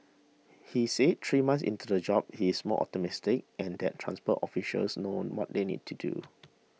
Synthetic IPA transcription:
hiset̚t̪ʰɹimãnsḭ̃ntudəd͡ʒɔb̚hiɪsmɔ̰ʔɔ̰p̚təmɪstɪk̚ɛ̃ndɛttʰːɹã̰nspɔtɔfiʃə̰lsnõnwɔ̰t̚denḭd̚tʰudṵ

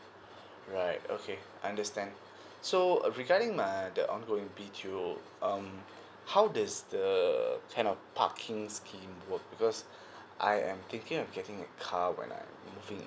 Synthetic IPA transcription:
ɹaɪto̰kʰe | ãndəstɛ̃nd | soɹiɡaɾɪ̃ŋmajdəʔɔ̃nɡoɪ̃ŋvitʰu | ʔʌ̃m | hawdasdəkʰãɪ̃ndɔfpʰa̰kʰɪ̃ŋskʰĩmwək̚bikɔs | ʔa̰jʔɛ̃mt̪ɪ̃ŋkɪ̃ŋɔfɡɛtɪ̃ŋɛ̰t̚kʰawɛ̰̃nã̰j̰mmːuvɪ̃ŋ

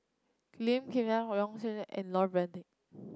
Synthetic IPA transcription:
lĩmkʰẽmaɹɔ̃ŋsenʔɛ̰̃nlɔt̚bɹɛ̃ndĩŋ

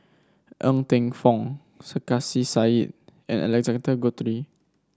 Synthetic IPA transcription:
ʔə̃ŋt̪ɛ̃ŋfɔ̃ŋ | səkasisait̚ʔɛ̰̃nɛ̰lɛɡzãndəɡɔt̪ɾi

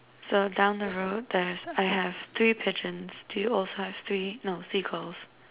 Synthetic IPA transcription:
soʊdãʊ̃nðəɹoʊt̚ðɛzaɪæv̥θɹiːpʰɪd͡ʒɨ̃nz̥dujɔlˠsohæv̥θɹinoʊsikʰəlˠs

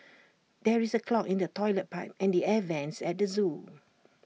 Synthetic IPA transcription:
dɛɹisəkʰlɔkɪ̃ndətʰɔɪlət̚paɪp̚ɛ̃ndiɛvɛ̃nsɛt̚dəzũ

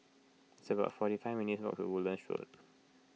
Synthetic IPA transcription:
ɪsəbaʊtfɔɾifaɪvminitsbɔ̰k̚tṵwuldə̃nʃɔ̰t

